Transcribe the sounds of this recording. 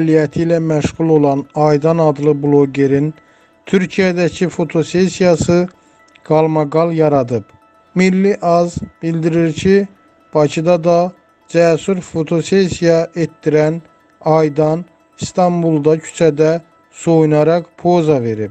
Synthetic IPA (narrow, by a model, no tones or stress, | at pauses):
lijæt̪ʰilæmæʃɣulˠo̞lˠɑnɑjd̪ɑnɑd̪lˠɯblˠo̞ɡe̞ɾin | t̪ʰyɾcʰijæd̪æcʰifo̞t̪ʰo̞se̞sijɑsɯ | ɡ̥ɑlˠmɑɡɑlˠjɑɾɑd̪ɯp | milːiʔɑzb̥ild̪iɾiɾcʰi | b̥ɑcʰid̪ɑd̪ɑ | d͡ʒæsyɾfo̞t̪ʰo̞sesijɑʔe̞t̪ːiɾæn | ɑjd̪ɑn | st̪ʰɑmbulˠd̪ɑcʰy̥t͡ʃʰæd̪æ | so̞junɑɾɑqpʰo̞zɑve̞ɾip